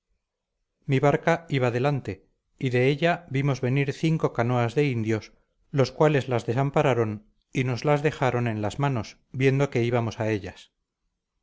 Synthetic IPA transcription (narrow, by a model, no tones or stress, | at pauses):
miβaɾkaiβaðe̞lant̪e̞ | iðe̞eʎabimo̞zβe̞niɾθiŋko̞kano̞azðe̞ind̪jo̞s | lo̞skwale̞zlazðe̞sampaɾaɾo̞n | ino̞zlazðe̞xaɾo̞ne̞nlazmano̞s | bje̞nd̪o̞ke̞iβamo̞sae̞ʎas